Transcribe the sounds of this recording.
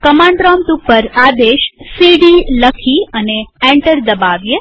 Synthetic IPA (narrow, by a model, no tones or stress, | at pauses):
kəmãɳɖɾɔmt̪upːəɾad̪eʃsiɖiləkʰiəneɛ̃ɳʈəɾd̪əbaʋje